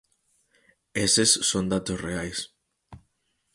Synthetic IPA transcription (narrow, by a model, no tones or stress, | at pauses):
esesːond̪at̪osreajs